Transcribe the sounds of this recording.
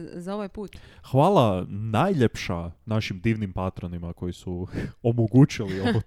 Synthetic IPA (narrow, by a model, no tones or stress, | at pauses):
zaoʋajpuːt̪xʋaːlˠanajʎepʃanaʃimd̪iːʋnimpat̪ɾonimako̞jisuomoɡut͡ʃilioo